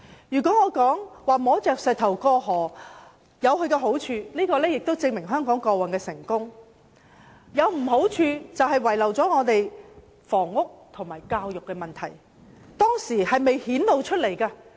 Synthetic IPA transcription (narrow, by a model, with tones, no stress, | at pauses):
jyː˨˩kɔː˨˥ŋɔː˨˧kɔː˨˥ŋwaː˨mɔː˨˥t͡sɛː˨k̚sɛː˨t̪ʰɐ˨˩wkɔː˧ɦɔː˨˩ | jɐ˨˧whɵ˧ɥkɛ˧ɦo˨˥wt͡ʃʰyː˧liː˥kɔː˧lɛː˥jɪ˨k̚t̪o˥wt͡sɪ˧ŋmɪ˨˩ŋɦœː˥ŋkɔː˨˥ŋkɔː˧wɐ˨nkɛː˧sɪ˨˩ŋkʊ˥ŋ | jɐ˨˧wm̩˨˩ɦo˨˥wt͡ʃʰyː˧t͡sɐ˨whɐ˨jwɐ˨˩jlɐ˨˩wt͡sɔː˨˥ŋɔː˨˧t̪e˨j | fɔː˨˩ŋːʊ˥k̚t̪ʰʊ˨˩ŋmaː˨˩jkaː˧wjʊ˨kːɛ˧mɐ˨nt̪ʰɐ˨˩j | t̪ɔː˥ŋsiː˨˩hɐ˨jme˨jhiː˨˥nlo˨˧wt͡ʃʰɵ˥t̚le˨˩jkaː˧